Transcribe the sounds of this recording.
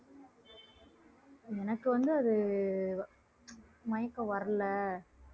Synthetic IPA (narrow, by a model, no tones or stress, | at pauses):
ɛnɐkːɯʋɐnd̪ɯɐðɯ | mɐjɐkːɐ̃ʋɐɾɐlɐ